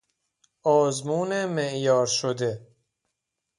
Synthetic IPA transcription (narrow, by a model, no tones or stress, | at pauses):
ɒːzmuːnemeʔjɒːɾʃod̪e̞